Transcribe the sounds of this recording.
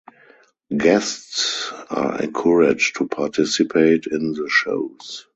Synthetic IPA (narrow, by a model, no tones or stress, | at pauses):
ɡɛstsa̰ɛ̰̃nkʰɔɹɪd͡ʒtʰupʰatʰɪsipʰeɪtʰɪ̃nðəʃo̰ʊs